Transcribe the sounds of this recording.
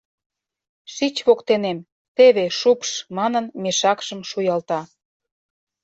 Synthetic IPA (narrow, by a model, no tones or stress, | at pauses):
ʃit͡ɕβokt̪enem | t̪eβeʃupʃmɑnənmeʃɑkʃə̆mʃujɑlt̪ɑ